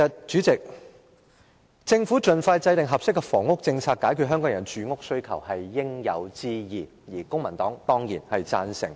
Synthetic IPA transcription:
ɐ˨t̚t͡ʃy˨˥t͡sɪ˨k̚ | t͡sɪ˧ŋfuː˨˥t͡ʃɵ˨˧nfaː˧jt͡sɐ˧jt̪ɪ˨ŋɦɐ˨p̚sɪ˥kːɛ˧fɔː˨˩ŋʊ˥k̚t͡sɪ˧ŋt͡sʰaː˧k̚ːaː˨˥jkʰy˨t̚ɦœː˥ŋkɔ˨˥ŋjɐ˨˩nt͡ʃyː˨˥ŋʊ˥k̚sɵ˥ɥkʰɐ̰˨˩whɐ˨jːɪ˥ŋjɐ̰˨˧wt͡siː˥jiː˨˩ | jiː˨˩kʊ˥ŋmɐ˨˩nt̪ɔː˨˥ŋt̪ɔː˥ŋjiː˨˩nhɐ˨jt͡sa̰ː˧nsɪ̰˨˩ŋ

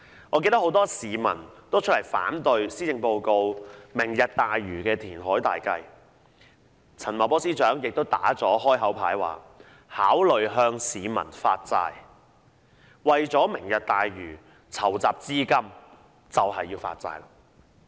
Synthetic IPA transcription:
ŋɔː˨˧ke˧jt̪ɐ˥ho˨˥wt̪ɔː˥siː˨mɐ̰˨˩nt̪o˥wt͡ʃʰɵ˥ljfa̰ː˨˥nt̪ɵ˧ɥsiː˥t͡sɪ˧ŋpo˧wko˧wmɪ˨˩ŋjɐ˨t̚t̪aː˨jɥyː˨˩kɛː˧t̪ʰiː˨˩nɦɔː˨˥jt̪a̰ː˨jkɐ̰˧j | t͡sʰɐ˨˩nmɐ˨˩pɔː˥siː˥t͡ʃœː˨˥ŋjɪ˨k̚t̪o˥wt̪aː˨˥t͡sɔː˨˥hɔː˥jɦɐ˨˥wpʰaː˨˥jwa̰ː˨˩ | haː˨˥wlɵ˨ɥɦœː˧ŋsiː˨˧mɐ̰˨˩nfa̰ː˧t̚t͡sa̰ː˧j | wɐ˨jt͡sɔː˨˥mɪ˨˩ŋjɐ˨t̚t̪aː˨jɥyː˨˩ | t͡sʰɐ˨˩wt͡saː˨p̚t͡siː˥kɐ˥m | t͡sɐ˨whɐ˨jːiː˧wfa̰ː˧t̚t͡sa̰ː˧jla̰˧

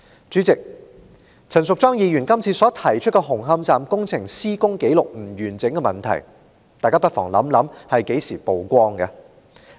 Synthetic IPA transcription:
t͡ʃyː˨˥t͡sɪ˨k̚ | t͡sʰɐ˨˩nsʊ˨k̚t͡sɔː˥ŋjiː˧jyː˨˩nkɐ˥mt͡sʰiː˧sɔː˨˥t̪ʰɐ˨˩jt͡ʃʰɵ˥t̚kɛ˧ɦʊ˨˩ŋɦɐ˧mt͡saː˨mkʊ˥ŋt͡sʰɪ˨˩ŋsiː˥kʊ˥ŋke˨˥jlʊ˨k̚m̩˨˩jyː˨˩nt͡sɪ˨˥ŋkɛ˧mɐ˨˩nt̪ʰɐ̰˨˩j | t̪aː˨jkaː˥pɐ˥t̚fɔ̰ː˨˩ŋlɐ̰˨˥mlɐ˨˥mhɐ˨jke˨˥jsiː˨˩po˨wkʷɔː˥ŋɡɐ˧

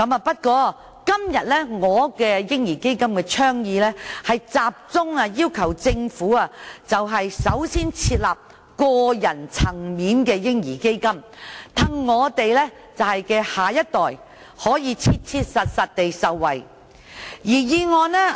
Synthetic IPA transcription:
kɐ˨˥mɐː˨˧pɐ˥t̚kɔː˧ | kɐ˥mjɐ˨t̚lɛ˥ŋɔː˨˧kɛː˧jɪ˥ŋjiː˨˩ke˥jkɐ˥mkɛː˧t͡ʃʰœː˥ŋjiː˧lɛ˥hɐ˨jt͡saː˨p̚t͡sʊ˥ŋɐ˧jiː˥wkʰɐ˨˩wt͡sɪ˧ŋfuː˨˥ɐ˨t͡sɐ˨wɦɐ˨jsɐ˨˥wsiː˥nt͡sʰiː˧t̚laː˨p̚ | kɔː˧jɐ˨˩nt͡sʰɐ˨˩ŋmiː˨˥nkɛː˧jɪ˥ŋjiː˨˩ke˥jkɐ˥mt̪ʰɐ˨˩ŋːɔː˨˧t̪e˨jlɛ˥ | t͡sɐ˨whɐ˨jkɛː˧haː˨˩jɐ˥t̚t̪ɔː˨j | hɔː˨˥jiː˨˧t͡sʰi˧t̚t͡sʰiː˧t̚sɐ˨t̚sɐ˨t̚t̪e˨jsɐ˨wːɐ̰˨j | jiː˨˩jiː˧ŋɔː˨˧nɛ˥

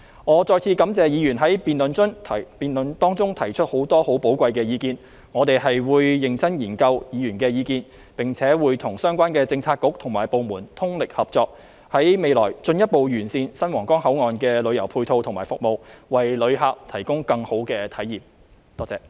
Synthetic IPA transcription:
ŋɔː˨˧t͡sɔː˧jt͡sʰiː˧kɐ˨˥mt͡sɛː˨˧jiː˨˧jyː˨˩nɦɐ˨˥jpiː˨nlɵ˨nt͡ʃɵ˥nʰpiː˨nlɵ˨˧nt̪ɔː˥ŋt͡sʊ˥ŋt̪ʰɐ˨˩jt͡ʃʰɵ˥t̚ho˨˥wt̪ɔː˥ho˨˥wpo˨˥wkʷɐ˧jkɛː˧jiː˨˧kiː˧n | ŋɔː˨˧t̪e˨jɦɐ˨jwuː˨˧jːɪ˨˩ŋt͡sʰɐ˥njiː˨˩nkɐ˧wjiː˨˧jyː˨˩nkɛː˧jiː˨˧kiː˧n | pɪ˨˩ŋt͡sʰɛː˨˥wuː˨˧jt̪ʰʊ˨˩ŋsœː˥ŋkʷaː˥nkɛː˧t͡sɪ˧ŋt͡sʰaː˧t̚kʊ˨˥k̚t̪ʰʊ˨˩ŋmaː˨˩jpo˨wmuː˨˩nt̪ʰʊ˥ŋlɪ˨k̚hɐ˨p̚t͡sɔː˧k̚ | hɐ˨˥jme˨˧jlɔ̰ː˨˩jt͡ʃɵ˧njɐ˥t̚po˨wjyː˨˩nsiː˧nsɐ˥nwɔː˨˩ŋkɔː˥ŋɦɐ˨˥wŋɔː˨nkɛː˧lɵ˨˧ɥjɐ˨˩wpʰuː˧jt̪ʰo˧wt̪ʰʊ˨˩ŋmaː˨˩jfʊ˨k̚mo˨wwɐ˨jlɵ˨˧ɥɦaː˧k̚t̪ʰɐ˨˩jkʊ˥ŋkɐ˧ŋho˨˥wkɛː˧t̪ʰɐ˨˥jiː˨˩m̚ | t̪ɔː˥t͡sɛː˨˩

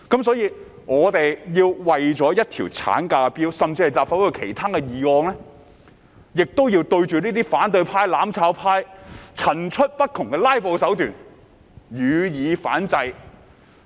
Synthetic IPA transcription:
kɐ˨˥ms̬ɔː˨˥jiː˧ | ŋɔː˨˧t̪e˨jjiː˧wwɐ˨jt͡sɔː˨˥jɐ˥t̚t̪ʰḭː˨˩wt͡sʰa̰ː˨˥nkaː˧kɛ˧piː˥wsɐ˨mt͡si˧hɐ˨jt͡saː˨˩pfa˨˥wʊ˨˩kʰe˨˩jt̪ʰaː˥kɛ˧jiː˨ŋɔː˧ŋlɛː˥ | jɪ˨k̚t̪o˥wjiː˧wt̪ɵ˧ɥt͡ʃyː˨niː˥t̪iː˥faː˨˥nt̪ɵ˧ɥpʰaː˧˥jlaː˨˥mt͡sʰaː˨˧˥wpʰaː˥jt͡sʰɐ˨˩nt͡ʃʰɵ˥t̚pɐ˥t̚kʰʊ˨˩ŋkɛː˧laː˥jpo˨wsɐ˨˥wt̪yː˨˩n | jyː˨˧jiː˨˧faː˨˥nt͡sɐ˧j

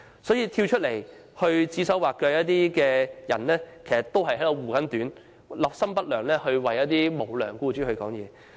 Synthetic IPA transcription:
sɔː˨˥jiː˧t̪ʰiː˧wt͡ʃʰɵ˥t̚le˨˩j | hɵ˧ɥt͡siː˨˥sɐ˨˥waː˨kːœː˧jɐ˥t̚t̪iː˥kɛː˧jɐ˨˩nlɛː˥kʰe˨˩sɐ˨t̪̚o˥whɐ˨jɦɐ˨˥jlo˨˩wuː˨˩kɐ˨˥nt̪yː˨˥n | lɐː˨˩p̚sɐ˥mpɐ˥t̚lœː˨˩ŋlɛː˥hɵ˧ɥwɐ˨jɐ˥t̚t̪̬iː˥mo˨˩wlœː˨˩ŋkuː˥t͡ʃyː˥hɵ˧ɥkɔː˨˥ŋjɛː˨˧

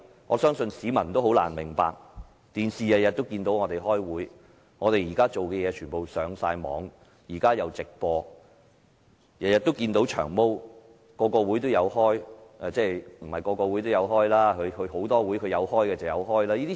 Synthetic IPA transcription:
ŋɔ̰ː˨˧sœː˥ŋsɵ˧nsiː˨˥mɐ˨˩nt̪o˥wɦo˨˥wla̰ː˨˩nmɪ˨˩ŋpa̰ː˨k̚ | t̪iː˨nsiː˨jɐ˨t̚jɐ˨t̚t̪o˥wkiː˧nt̪o˨˥wŋɔː˨˧t̪e˨jɦɔː˥jwuː˨˥j | ŋɔː˨˧t̪e˨jiː˨˩kaː˥t͡ʃo˨wkɛː˧jɛː˨˧t͡ʃʰyː˨˩npo˨wsœː˨˧ŋsa̰ː˧jmɔ̰ː˨˧ŋ | jiː˨˩kaː˥jɐ˨˧wt͡sɪ˨k̚pɔː˧ | jɐ˨t̚jɐ˨t̪̚ːo˥wkiː˧nt̪o˨˥wt͡ʃʰœ̰ː˨˩ŋmo˥w | kɔː˧kɔː˧wuː˨˥jt̪o˥wjɐ˨˧whɔː˥jʔɛː˨˧t͡sɛː˥m̩˨˩hɐ˨jkɔː˧kɔː˧wu˨˥jt̪o˥jɐ˨˧wɦɔː˥jlaː˥kʰɵ˨˧ɥkʰɵ˨˧ho˨˥wt̪ɔː˥wuː˨˥jkʰɵ˧jɐ˨˧whɔː˥jkɛː˧t͡sɐ˨wjɐ̰˨˧wɦɔː˥jlaː˥jiː˥t̪iː˥

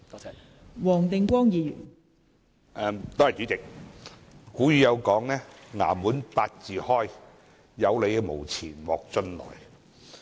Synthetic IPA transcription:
wɔː˨˩ŋt̪ɪ˨ŋkʷɔː˥ŋjiː˨˧jy̰ː˨˩n | ʔɛː˨mt̪oː˥hɐ˨˩t͡syː˨˥t͡sɪ˨k̚ | kuː˨˥jyː˨˧jɐ˨˧wkɔː˨˥ŋlɛː˥ŋa̰ː˨˩muː˨˥npaː˧t̚t͡siː˨˩hɔː˥j | jɐ˨˧wle˨˧jɛ˧mo̰˨˩wt͡sʰiː˨˩nwɔ̰ː˨k̚t͡sɵ˥nlɔ̰ː˨˩j

